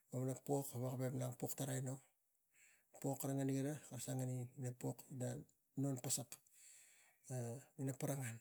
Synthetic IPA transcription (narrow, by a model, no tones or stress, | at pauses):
omnapo̞kaβakabepnaŋpo̞ktaɾajno | po̞kːaɾaŋaniɡaɾakaɾsaŋaniinapokina | nonpasak | ainapaɾaŋan